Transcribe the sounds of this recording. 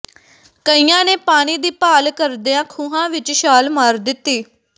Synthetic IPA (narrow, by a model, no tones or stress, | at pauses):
kəijãːneːpaːɽ̃iːd̪iːpaːlkəɾd̪eːãːkʰuːɦãːʋɪt͡ʃʃaːlmaːɾd̪ɪt̪ːiː